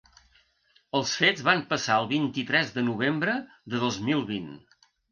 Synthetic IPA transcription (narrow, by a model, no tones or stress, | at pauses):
əlˠsfed͡zβampəsaəlˠβint̪it̪ɾɛzðənuβ̞embɾə | ðəðozmilˠβin